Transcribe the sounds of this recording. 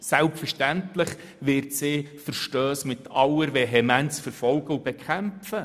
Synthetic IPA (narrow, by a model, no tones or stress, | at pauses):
sælpfərʃtæntlɪχ | ʋɪɾtsɪːfəɾʃtøːsmɪt̪ʰɑləɾʋeɦɛmænt͡sfəɾfɔlɡ̥əub̥ɛkʰæmfə